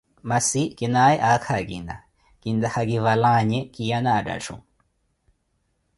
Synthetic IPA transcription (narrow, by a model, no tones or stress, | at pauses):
masikinajʔakʰakind̪a̰ | kind̪ahakivalaɲɛkijanaːda̰ʈ͡ʂʰṵ